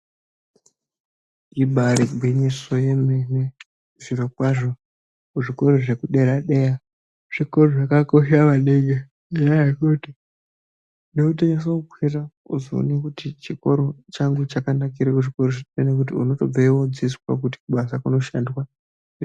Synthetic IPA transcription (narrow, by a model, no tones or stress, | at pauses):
ibʱaɾiɡʱwiɲiso̞jemene | ziɾokwaʐo̞ | kuʐiko̞ɾoʐe̞kuɗe̞ɾaɗeja | ʐ̥ikoroʐakako̞ʃaʋaneɡe | jakuti | nekuteɲes̬oukʰwira | uzo̰ːnekutit͡ʃiko̞ɾot͡ʃaŋɡut͡ʃakanak̬iɾekuʐikoɾoʐinenek̬ut̬iṵno̞to̞b͡vaiwod͡ziswa̰k̬uti̥kuɓasakuno̞ʃandwa